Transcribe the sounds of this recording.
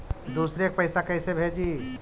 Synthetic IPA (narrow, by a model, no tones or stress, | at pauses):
d̪usɾek̚pəɪsakəɪsebʱed͡ʒi